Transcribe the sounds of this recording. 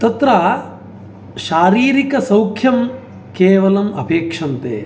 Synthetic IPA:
t̪ɐt̪ɾɐː | ʃaːɾiːɾikɐsɐwkʰjɐm | keːʋɐlɐmɐbʱeːkʂɐnt̪ḛː

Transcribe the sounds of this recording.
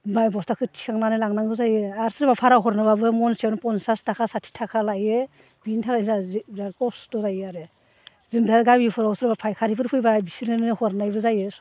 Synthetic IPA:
bajbɔstakʰɯtʰi̥kʰaŋnanɯlaŋnaŋɡɯzajeaɾsɯɾbapʰaɾaɦɔɾnɯbabɯmɔnsiawnɯpɔnsastʰakʰasatʰi̥tʰakʰalaje | b̥intʰakazazaɾkɔsdɔzajaɾe | zɯndaɡajbipʰɔɾasɯɾɯbapʰajkʰaɾibʰɯɾpʰɯjbabisiɾnɯnɯhɔɾnajbɯzajes

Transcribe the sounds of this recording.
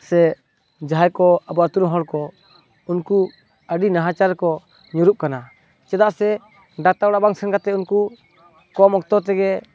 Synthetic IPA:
sɛ | d͡ʒaɦajkɔabɔat̪uɾɦɔɽkɔ | unku | əɖinaɦat͡ʃaɾkɔ | ɲuɾup̚kana | t͡ʃɛd̪aʔsɛ | ɖat̪aɔɽabaŋsɛnkat̪ɛunku | kɔmɔkt̪ɔt̪̬ɛɡɛ

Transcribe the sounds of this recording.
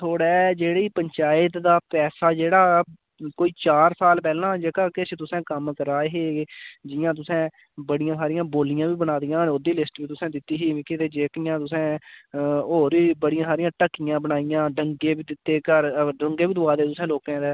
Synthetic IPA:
t̪ʰoːɽɛːd͡ʒeːɽiːpəɲt͡ʃaːɪt̪d̪aːpɛːsaːd͡ʒeːɽaː | koːiːt͡ʃaːɾsaːlpɛːlãːd͡ʒəkaːkɪt͡ʃt̪ʊsɛ̃ːkəmkəɾaːeɦeːd͡ʒɪjãːt̪̬ʊsɛ̃ː | bəɽɪjãːsaːɾɪjãːboːlɪjãːʋiːbənaːd̪ijãːnod̪iːlɪsʈbiːt̪ʊsɛ̃ːd̪ɪt̪ːiːɦiːʋɪkeːt̪eːd͡ʒeːkɪjãːt̪ʊsẽː | oːɾiːbəɽɪjãːsaːɾɪjãːʈəkːɪjãːbənaːijãːɖəŋɡeːbiːd̪ɪt̪ːeːkəɾɖəŋɡeːbiːd̪ʊaːd̪eːt̪ʊsẽːloːkɛ̃ːd̪ɛː

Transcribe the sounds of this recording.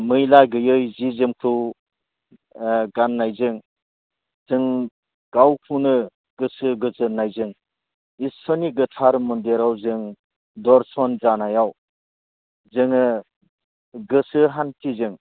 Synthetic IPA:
mɯjlajɡɯjɯjzizɯmkʰɯw | ɡanːajzɯŋ | z̥ɯŋ | ɡ̥awkʰunɯ | ɡ̥ɯsɯɡɯzɯnajzɯŋ | isɔniɡɯtʰaɾmundeɾawzɯŋ | dɔɾsɔnzanajaw | zɯŋɯ | ɡɯsɯɦantizɯŋ

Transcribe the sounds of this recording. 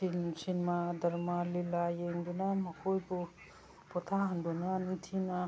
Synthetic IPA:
insinmadɐɾmalilajeŋdunamakʰojbu | pʰɔt̪ʰaɦand̪unantʰina

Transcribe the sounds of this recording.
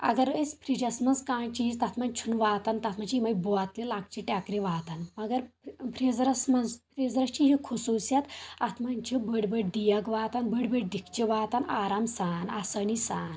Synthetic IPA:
ɐ̰ɡɐɾəspʰɾid͡ʑɐsmɐnzkaːɳt͡ɕizt̪at̪ʰmant͡ʃʰunʋaːt̪ant̪at̪ʰmat͡ɕiimajbɔat̪lelak̚t͡ɕiʈʲjakɾiʋaːt̪anmɐɡɐɾpʰɾed͡zɾɐsmɐnzpɾezɾɐt͡ʃiɦekʰususjat̪at̪ʰmant͡ʃʰibəɽbəɽd̪ijaɡʋaːt̪anbəɽbəɽd̪ikt͡ʃiʋaːt̪anaɾamsaːnasənisaːn

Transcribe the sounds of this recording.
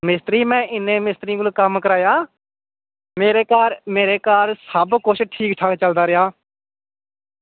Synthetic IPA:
mɪst̪ɾiːmɛ̃ːʔɪnːẽːmɪst̪ɾiːkʊlkəmkəɾaːjaː | meːɾeːkaːɾmeːɾeːkaːɾsəbkʊt͡ʃʰʈʰiːkʈʰakt͡ʃəld̪aːɾɪɦaː

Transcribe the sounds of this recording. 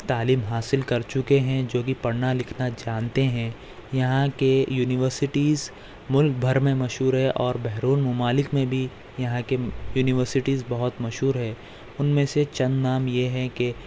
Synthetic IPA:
t̪aːliːmɦaːsɪlkɐɾt͡ʃʊkeɦɛ̃d͡ʒoːkipɐɽnalɪkʰnad͡ʒaːnt̪eɦɛ̃ | jɐɦãkejuːnɪʋəɾsɪʈiːz | mʊlk̚bʱɐɾmẽmɐʃɦuːɾɦɛʔɔːɾbɛɦɾuːnmʊmaːlɪkmẽbʱi | jɐɦãkejuːnɪʋəɾsɪʈiːzbɐɦʊt̪mɐʃɦuːɾɦɛ̃ː | ʊnmẽset͡ʃɐ̃nd̪naːmjeɦɛke

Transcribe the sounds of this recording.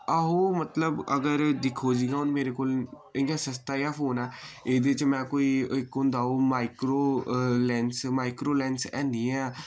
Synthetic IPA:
əɦoːmət̪ləbəɡəɾd̪ɪkʰːoːd͡ʒiːɡaːɦʊnmeːɾeːkoːl | ɪjãːsəst̪aːjaːfoːnɛːeːd̪eːt͡ʃmɛ̃ːkoːiːɪkõnd̪aːoːmaːɪkɾoːlɛːnsmaːikɾoːlɛːnsɛ̰ːnd̪iːɛː

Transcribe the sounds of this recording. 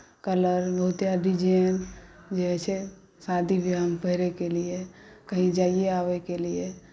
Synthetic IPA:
kələɾbəɦʊt̪jaɖid͡ʒend͡ʒeɦɛt͡ʃʰe | sad̪ʱibʱiɦəmpəɦɪɾekeliekəɦĩd͡ʒaːieaːʋekelie

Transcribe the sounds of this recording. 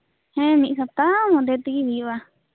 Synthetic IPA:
hẽmĩsap̚t̪amõd̪et̪ikiβiβa

